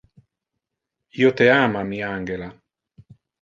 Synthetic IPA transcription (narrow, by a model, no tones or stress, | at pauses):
iːot̪eaːmamiaŋɡela